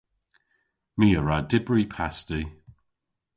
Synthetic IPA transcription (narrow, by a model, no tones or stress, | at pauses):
miːəɹadɪbɹipʰasti